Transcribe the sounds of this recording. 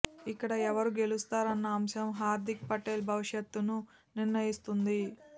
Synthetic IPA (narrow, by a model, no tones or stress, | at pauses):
ikːɐɽɐɛʋɐɾuɡe̞lust̪aːɾɐnːɐːmʃɐmɦaːɾd̪ʱik̚pɐʈeːlbʱɐʋiʂjɐt̪ːunu | niɾnɐjist̪und̪i